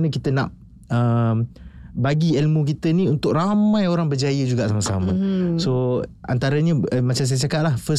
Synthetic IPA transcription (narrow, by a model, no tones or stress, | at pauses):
nəkit̪əna̰ʔ | əmbaɡiɛlmũkit̪ənĩunt̪ʊk̚ɾamãjoɾaŋbərd͡ʒajəd͡ʒuɡaʔsaməsa̰mə̃soa̰nt̪aɾəɲəəmat͡ʃams̬ajəsakat̪̚lahfə